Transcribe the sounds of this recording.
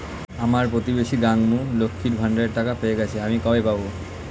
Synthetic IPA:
amaɾpɾot̪ibeʃiɡaŋmulokʰːiɾbʱaɳɖeɾʈakapeeɡɛt͡ɕʰeamikɔbepabo

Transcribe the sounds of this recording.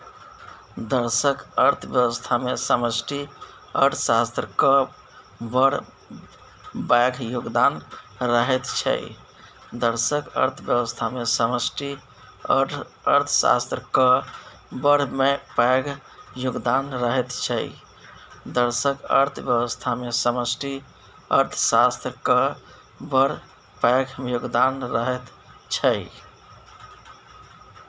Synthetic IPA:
d̪əɾsəkəɾt̪ʰbjəwʋəst̪ʰamesəməsʈi | ə̰ɾt̪ʰsa̰st̪ɾəkə | bəɽ̤ | bajɡʱjuɡd̪anɾəɦɛt̪t͡ʃʰə̰j | d̪əɾsəkə̰ɾt̪ʰbjəbəst̪ʰamesəməsʈʰi | ə̰ | ə̰ɾt̪ʰsa̰st̪ɾəkə | bəɾ̤mepajɡʱ | juɡd̪anɾəɦet̪t͡ʃʰəɪ̰ | d̪əɾsəkə̰ɾt̪ʰbjəbəst̪ʰamesəməsʈʰi | ə̰ɾt̪ʰsast̪ɾəkə | bəɾ̤ | paɡʱjuɡd̪anɾəɦet̪ | t͡ʃʰəɪ

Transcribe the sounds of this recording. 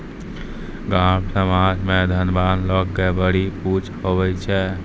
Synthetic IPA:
ɡãmsəmad͡ʒmed̪ʱənbanləɡːebəɽiput͡ʃʰhobɛt͡ʃʰɛ

